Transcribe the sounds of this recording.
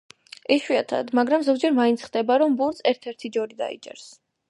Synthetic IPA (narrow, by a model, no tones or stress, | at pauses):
ɛʃwiat̪ʰa̰d̪maɡɾamzɔɡd͡ʒɛɾmaint̪sʰχd̪ɛbaɾɔmbuɾsʰɛɾt̪ʰɛɾt̪ʰid͡ʒɔɾid̪a̰ḭt͡ʃʼɛ̰ɾs